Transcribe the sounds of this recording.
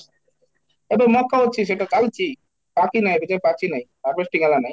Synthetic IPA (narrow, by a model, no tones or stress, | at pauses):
ebɔŋmɔkʰːaɦotːɕʰiʃ̬eʈakalt͡ɕʰi | pakinajbiʈapakinaj | apɾesʈiɡɛlanaj